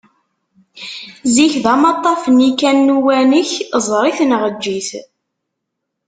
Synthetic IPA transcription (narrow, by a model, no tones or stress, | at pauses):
ziçðɑmɑt̪ˤːɑfənikænːuwænəçzˤɾˤiθnʁəd͡ʒːiθ